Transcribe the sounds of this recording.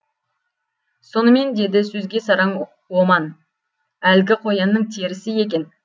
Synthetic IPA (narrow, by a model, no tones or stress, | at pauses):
so̞nəme̞nd̪e̞d̪ɪsɵzɡʲe̞sɑɾɑɴ | wo̞mɑn | ælɡʲɪqʰo̞jɑnːəɴt̪ʰeɾɪsɪje̞k̬ʲe̞n